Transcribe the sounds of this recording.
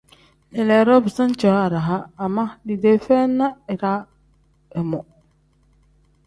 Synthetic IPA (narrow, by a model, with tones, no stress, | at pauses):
ɛ˨lɛ˨ɾɔ˦bi˨sã˦n˦t͡ʃa˨˦a˨ɾa˨ɦaː˦˨mã˦ni˨de˨fɛ˦nã˦ɛ˨ɾa˦ | ɛ˨mɔ̃˨